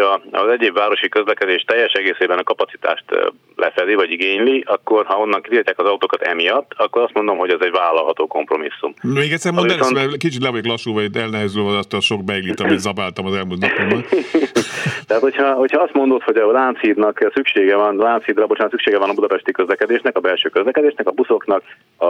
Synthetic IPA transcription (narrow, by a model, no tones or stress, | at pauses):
ɒ̰zɛɟeːbvaːɾo̞ʃikøzlɛkɛd̪eːʃt̪ɛjːɛʃɛɡeːseːbɛnɒkɒpɒt̪si̥t̪a̰ːʃt̪ | lʔɛfɛd̪ivɒɟiɡeːɲliɒkːo̞rhɒo̞nːɒŋkit̪it̪cːaːkɒzɒut̪oːkɒt̪ɛ̰mijɒt̪ːɒkːo̞ɾɒst̪mo̞nd̪o̞mɦo̞ɟɛzɛɟvaːlːɒlɦɒt̪oːko̞mpro̞misːṵmmeːɡɛc̪sɛrmniɛskit͡ʃit̪lɛvɒɟoklɒʃːuːvɒit̪ːɛlnɛɦɛzylvɒnɒst̪ɒʃo̞k̚bɛilːit̪ɒmit̪zɒbaːlt̪ɒmɒzɛlmult̪nɒpon | t̪ɛɦat̪hochɒhocʰhɒɒst̪mo̞nd̪o̞t̪ho̞ɟɒlaːnt̪sid̪nɒksykʃeːɡɛvɒnlaːnt̪shiːd̪ɾɛbo̞t͡ʃaːnt̪sykʃeːɡɛvɒnɒbud̪ɒpɛʃt̪ikøzlɛkɛd̪eːʃnɛkɒbɛlʃøːkøzlɛkɛd̪eːʃnɛkɒbuso̞knɒk | ɒ